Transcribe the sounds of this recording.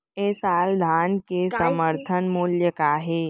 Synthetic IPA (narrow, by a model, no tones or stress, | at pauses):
esaːld̪ʱankesəməɾt̪ʰənmuljəkaːɦe